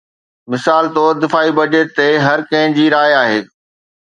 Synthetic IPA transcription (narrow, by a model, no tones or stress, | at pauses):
mɪsaːlt̪ɔːɾd̪ɪfaːibɐd͡ʑet̪t̪ːeɦɐɾkɐ̃ɦɪ̃d͡ʑiːɾaːjaːɦeː